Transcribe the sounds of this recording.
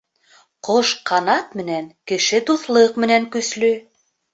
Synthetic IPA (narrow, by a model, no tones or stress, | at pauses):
qoʃqɑnɑt̪mɘ̆næŋkɘ̆ʃɘt̪uθlˠɤqmɘ̆næŋkɵ̆slɵ